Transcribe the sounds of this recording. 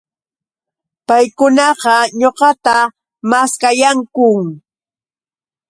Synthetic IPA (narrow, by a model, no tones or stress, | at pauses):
pajkʊnɑɢɑɲoqɑt̪a | maskajaŋkʊŋ